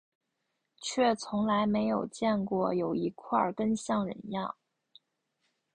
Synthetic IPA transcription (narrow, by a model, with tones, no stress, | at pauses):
t͡ɕʰɥɛ˥˩t͡sʰʊ˧˥ŋla˧˥ɪme˧˥ɪjo˨˩ʊt͡ɕjɛ˥˧nkwɔ˥˩jo˨˩ʊi˧˥kʰwa˥˩kə˥nɕjɑ˥˩ŋɻə̰˧˥njɑ̰˥˩ŋ